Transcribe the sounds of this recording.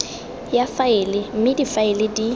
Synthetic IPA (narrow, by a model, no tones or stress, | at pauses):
jafaɪlɪm̩mɪdifaɪlɪdi